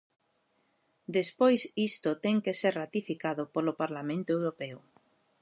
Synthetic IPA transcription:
d̪espojsist̪ʊt̪ɛŋkeseɾrat̪ifikaðʊpolopaɾlamẽnt̪oewɾopɛʊ

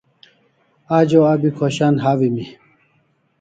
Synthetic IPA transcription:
aːd͡ʑoabikʰoɕanɦawimi

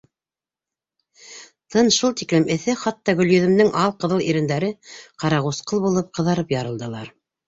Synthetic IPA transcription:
t̪ʰɤnʃulˠt̪iklɘmʔɘ̆θɘχɑt̪ːɑɡɵ̆ljɵ̆ðɵ̆mnɘŋʔɑlˠqɤ̆ðɤlˠiɾɘ̆nd̪æɾɘqɑɾɑʁusqɤlˠbulˠɤp̚qɤ̆ðɑɾɤpjɑɾɤ̆lˠd̪ɤ̆lˠɑɾ

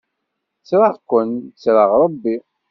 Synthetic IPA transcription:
t͡sːɾəʁkʷːənt͡sːɾəʁɾˤəbːi

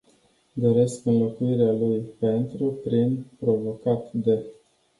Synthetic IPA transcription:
d̪o̞ɾe̞skɨnlo̞kuiɾealujpe̞nt̪ɾupɾinpɾo̞vo̞kat̪d̪e̞

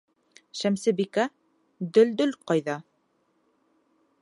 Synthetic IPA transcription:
ʃæmsɘ̆bikæ | d̪ɵ̆ld̪ɵlqɑjðɑ

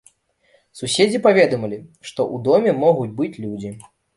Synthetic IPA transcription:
susʲed͡zʲipavʲɛd̪ɐmɐlʲiʂt̪ɔʔud̪ɔmʲɛmɔɣud͡zʲbɨt͡sʲlʲud͡zʲi

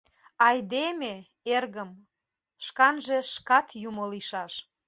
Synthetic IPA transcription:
ɑjd̪eme | erɣəm | ʃkɑnʒeʃkɑt̪jumoliʃɑʃ

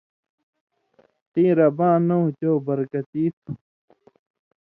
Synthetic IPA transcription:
t̪ĩːɾɐbãːnot͡ɕoːbɐɾkɐt̪iːt̪ʰu

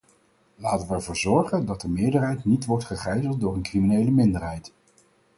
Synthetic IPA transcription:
laːtənʋəɛɹvʊːɹzɔɹχəndɑt̚dəmɪːɹdəɹɦɛjtnitʋɔɹtχəχɛjzəlˠt̚dʊːɹənkriminejləmɪndəɹɦɛjt

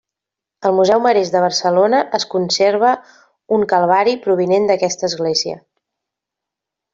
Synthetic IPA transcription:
əlˠmuzɛwməɾezðəβərsəlonəʔəskunseɾβ̞ə | uŋkəlˠβaɾipɾuβ̞inend̪əkɛst̪əːzɣleziə̰

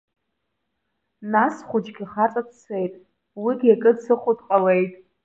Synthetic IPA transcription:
nasχʷʊd͡ʒɡʲiχat͡sʼadʰt͡sʰe̞jtʼ | wiɡʲakʼɨdsɨχʷʊdqʼale̞jtʼ

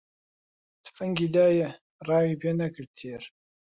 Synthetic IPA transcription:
t̪fɨŋɡid̪aːjɛ | rɑːwipʰeːnɐkɨɾt̪ʰeːɾ

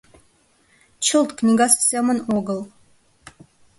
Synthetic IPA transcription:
t͡ʃʰɨlˠt̪kʼnʲiɡassemənoɡəl

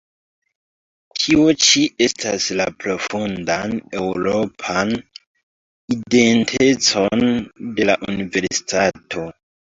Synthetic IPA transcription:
tʰio̞t͡ʃie̞stʰaslapɾo̞fundane̞wuɾo̞pʰan | ide̞ntʰe̞t͡so̞nde̞laʔunive̞ɾsi̥tatʰo̞

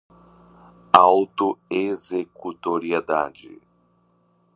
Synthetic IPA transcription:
awt̪oezekut̪oɾied̪a̰d͡ʒɪ̰

